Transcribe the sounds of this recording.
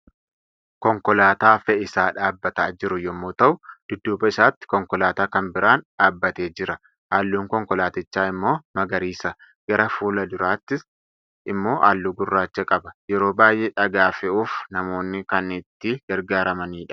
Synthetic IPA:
kɔŋkɔlaːt̪aːfɛɪsaːᶑaːbːɐt̪aːd͡ʒɪɾʊjɔmːoːt̪ɐʔʊd̪̥ʊd̪ːuːbɐɪsaːt̪ːɪ̥kɔŋkɔlaːt̪aːkɐnbɪɾaːnᶑaːbːɐt̪eːd͡ʒɪɾɐ | ʔaːlːuːŋkɔŋkɔlaːt̪ɪt͡ʃːaːɪmːo̞ːmɐɡɐɾiːsɐ | ɡ̥ɐɾɐfuːlɐd̪ʊɾaːt̪ːɪs | ʔɪmːo̞ːʔaːlːuːɡʊrːaːt͡ʃːɛkʼɐbɐjɛɾo̞ːbaːjʔɛᶑɐɡaːfɛuːfnɐmo̞ːnːɪkɐnɪt̪ːɪɡ̥ɐɾɡaːɾɐmɐniːᶑɐ̥

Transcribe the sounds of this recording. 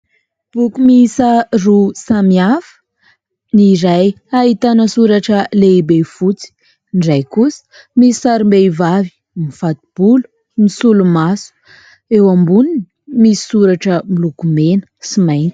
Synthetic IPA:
b̥ukumisarusamiafə̥ | niɾaj | aɦit̪anəsuɾaʈ͡ʂəleibefut͡si̥ | nɖ͡ʐajkusə̥ | misi̥saɾimbevavi̥ | mifat̪i̥b̥ulu̥ | misulumasu̥ | ewambuninimisi̥suɾaʈ͡ʂəmilukumenə̥simajnt̪i̥

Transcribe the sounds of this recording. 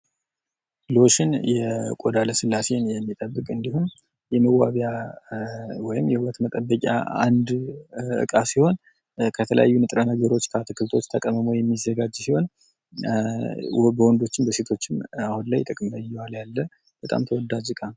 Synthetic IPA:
loʃɪnjɛkʼod̪aləsɨlːase̞njɛmːit̪ʼəbːɨkʼɨnd̪ihum | jɛməwaβja | wɔjɪmjɛhuɾət̪mət̪ʼəbːəkʼa̰a̰nd̪ɨ̰kʼasiho̞n | kʰət̪ʰələ̰ja̰jːunɨt̪ʼɾənəɡəɾo̞t͡ʃːkʰat̪ʰɨkʰɨlt̪ʰo̞t͡ʃːt̪ʰəkʼəməmojɛmːizːəɡad͡ʒsiho̞n | bəwɔnd̪o̞t͡ʃːɪnbəse̞t̪ʰo̞t͡ʃːɪmahunlajt̪ʼəkʼmlajːuwaljalːə | b̥ət̪ʼa̰mt̪ʰəwɔd̪ːad͡ʒɨkʼan

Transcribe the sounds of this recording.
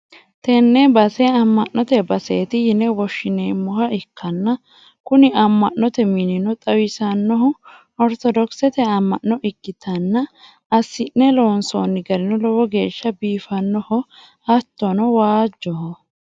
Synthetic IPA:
t̪ɛnːɛbɐsɛɐmːɐʔːɔt̪ɛbɐseːt̪ɪjɪnɛwɔʃːɪneːmːɔhɐʔɪkʰːɐnːɐ | kʊnɪɐmːɐnːɔt̪ɛmɪnɪnɔt̪ʼɐwɪsɐnːɔɦʊ | ɔɾt̪ɔd̪ɔksɛt̪ɛɐmːɐ̰ʔːɔʔɪkːɪt̪ʰɐnːɐ | ɐsːɪnːɛloːnso̰ːnːɪɡɐɾɪnɔlɔwɔɡe̞ːʃːɐbiːfɐnːɔhɔ | ɐt̪ːɔnɔwaːd͡ʒːɔhɔ

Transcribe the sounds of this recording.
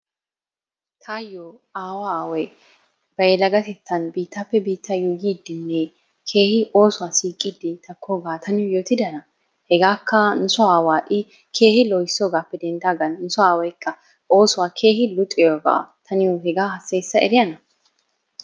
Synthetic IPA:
t̪ʰaːjːo | aːwaaːwɐj | b̥ɐjɛlɐɡɐt̪ɛt͡sːɐnbiːt̪ːɐpːɛbiːt̪ːɐjuːɡiːd̪ːɪnːɛ | kʰe̞ːhɪʔo̞ːsʊwaːsiːkʼːiːd̪ɪt̪ɐkʰːoːɡaːt̪ʰɐnɪjʊjoːt̪ɪd̪ɐnɐ | hɛɡaːkːɐnʊsʊaːwaːʔɪ | kʰe̞ːhɪlɔjsːoːɡaːpːɛd̪ɛnd̪aːɡɐnnʊsʊaːwɐjkʰːɐ | ʔo̞ːsʊwaːkʰe̞ːhɪlʊt̪ʼːɪjoːɡa̰ːt̪ʰɐnɪjʊhɛɡaːhɐsːɐjsːɐʔɛ̰ɾɪjɐnɐ

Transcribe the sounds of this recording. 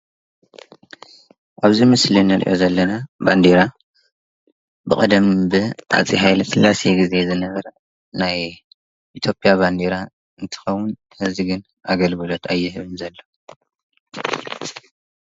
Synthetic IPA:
ʔaβzimɨslinɐɾʔḭʔo̞̰zɐlːɐnaband̪iɾa | bɨkʼɐd̪ɐmbɨʔa̰t͡sʼiɦajlfɨlːase̞ɡize̞zɨnɐβɐɾɐ | naj | ʔit̪ʰjopʼjaband̪eɾa | ɨnt̪ʰɨ̥xɐwːʊn | hɨziɡɨn | ʔaɡɐlɡɨlot̪ʰajːɪhɨβɨnzɐlːo

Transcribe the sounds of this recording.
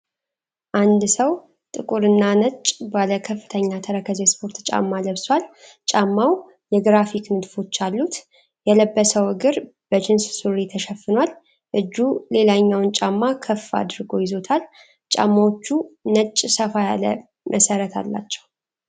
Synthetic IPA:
ʔand̪səw | t̪ʼɨkʼuɾɨnːanət͡ʃʼbaləkʰəfːɨt̪ʰəɲːat̪ʰəɾəkʰəzespʰo̞ɾt̪t͡ʃʼa̰mːaləβswal | t͡ʃʼamːaw | jɛɡɾafiknɨd̪fo̞t͡ʃːalːut̪ | jɛləbːəsəwɨɡɨɾb̥əd͡ʒɪnssuɾet̪ʰəʃɛfːɨnwal | ʔɨd͡ʒːule̞laɲːawnt͡ʃʼamːakʰəfːa̰d̪ɾɨɡo̞jɪzo̞t̪ʰal | t͡ʃʼa̰mːawot͡ʃːunət͡ʃʼːsəfajalə | mʔəsəɾət̪ʰa̰lːa̰t͡ʃːɛ̥w

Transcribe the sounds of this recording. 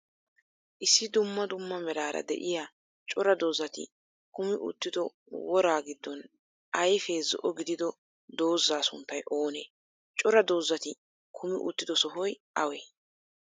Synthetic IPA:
ʔɪsːɪd̪ʊmːɐd̪ʊmːɐmɛɾaːɾɐ̰d̪ɛ̰ʔɪja | t͡ʃʼɔɾɐd̪o̞ːzːɐt̪ɪ̰ | kʊmɪʔʊ̰t̪ːɪd̪ɔ | wɔɾaːɡɪd̪ːɔn | ɐjfeːzɔ̰ʔɔɡɪd̪ɪd̪ɔ | d̪o̞ːzːaːsʊ̰nt̪ːɐjʔo̞ːneː | t͡ʃʼɔɾɐd̪o̞ːzːɐt̪ɪ | kʰʊmɪʔʊ̰t̪ːɪd̪ɔsɔɦɔjʔɐweː

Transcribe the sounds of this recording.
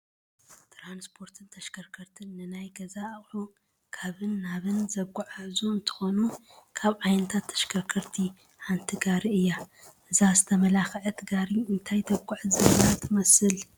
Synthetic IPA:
t̪ʰɾanspʰo̞ɾt̪ʰɨnt̪ʰɐʃkʰɐɾkʰɐɾt̪ʰɨnːɨnajɡɐzaːχʼʕu | kʰaβɨnːaβɨnzɐɡʷʼuʕazuɨnt̪ʰɨ̥xo̞nu | kʰaβʕajnɐt̪ʰat̪ʰːɐ̥ʃkʰɐkʰɐɾt̪ʰi | ħant̪ʰiɡaɾiɨjːa | ʔɨzazɨt̪ʰɐmɐlaxʕɐt̪ʰɨɡaɾiɨnt̪ʰajt̪ʰɐɡʷʼuʕɨzɨnat̪ʰɨmɐsɨl

